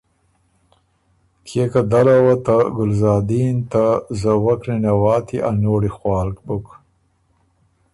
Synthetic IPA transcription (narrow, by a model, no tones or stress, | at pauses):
t̪ʰekad̪alawat̪aɡʊlzɑːd̪int̪azawakɾinawɑːt̪ʰiʔanoːɽixwɑːlkbʊk